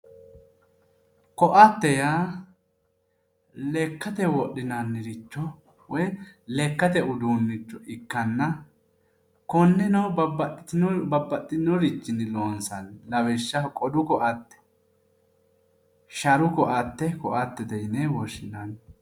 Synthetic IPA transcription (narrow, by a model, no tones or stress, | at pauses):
kɔʔɐt̪ːɛjaː | lekːɐt̪ɛwɔɗːɪnanːɪɾɪt͡ʃːɔ | wɔjlɛkːɐt̪ɛʊd̪uːnːɪt͡ʃːɔʔɪkːɐnːɐ | kɔnːɛnɔbɐbɐbːɐt̪ʼːɪnːɔɾɪt͡ʃːɪnɪloːnsɐnlɐwɛʃːɐkʼɔd̪ʊkɔʔɐt̪ːɛ̥ | ʃɐɾʊkɔʔɐt̪ːɛkɔʔɐt̪ːɛd̪ɛjnːɛwɔʃːɪnan